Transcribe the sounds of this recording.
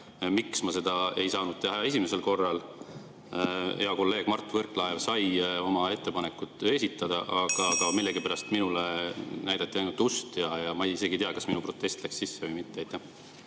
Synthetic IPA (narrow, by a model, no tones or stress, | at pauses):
miksmɑse̞d̪̥ɑe̞jsɑːnud̪̥̚t̪eɦɑe̞simese̞lko̞rːɑl | e̞ɑko̞lːe̞ːɡ̥mɑrt̪ːˑvɤrkːˑlɑelsɑjo̞mɑe̞t̪ːe̞pɑne̞kːˑut̪ːˑe̞sʲit̪ːˑɑd̪̥ɑʔɑɡ̥ɑɡ̥ɑmilːeɡipæɾɑst̪minulenæjd̪̥ɑt̪ˑːiɑjnult̪ust̪jɑjɑmɑejise̞ɡit̪iɑkɑsminupro̞t̪ːˑe̞st̪lækssisːevɤjmit̪ːeɑjt̪ˑːæh